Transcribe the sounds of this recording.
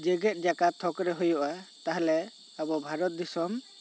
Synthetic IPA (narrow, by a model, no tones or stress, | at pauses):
d͡ʒɛɡɛt̪̚ˀd͡ʒakat̪ʰɔkɾɛɦujɔʔat̪aɦɛlɛ | abɔbʱaɾɔt̪̚d̪isɔm